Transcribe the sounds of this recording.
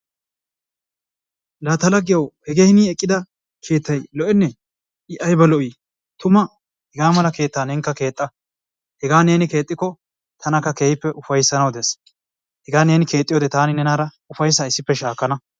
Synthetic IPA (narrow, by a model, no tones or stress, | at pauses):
lɐt̪ɐlɐɡɪjɐwhɛɡehɪniːɛkʼːɪd̪ɐ | kʰe̞ːt̪ːɐjlɔʔɛnːɛ | ɪʔɐjbɐlɔʔiː | t̪ʊmɐ | hɛɡaːmɐlɐke̞ːt̪ːaːnɛŋkːɐke̞ːt̪ʼːɐ | hɛɡaːne̞ːnɪke̞ːt̪ʼːɪkːɔ | t̪ʰɐnɐkːɐkeːhɪpːɛʔʊfɐjsːɐnɐwd̪ɛs | hɛɡaːne̞ːnɪke̞ːt̪ʼːɪjoːd̪ɛt̪aːnɪnɛnaːɾɐ | ʊfɐjs̬aɪsːɪpːɛʃaːkːɐnɐ